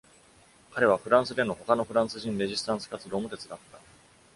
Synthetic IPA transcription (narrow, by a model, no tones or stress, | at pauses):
kaɾe̞β̞aɸɯ̟ɾãɰ̃sɨd̪e̞no̞ho̞kano̞ɸɯ̟ɾãɰ̃sɨʑĩnɾe̞ʑisɨ̥t̪ãɰ̃sɨ̥kat͡sɨɾo̞ːmot̪e̞t͡sɨd̪at̪ːa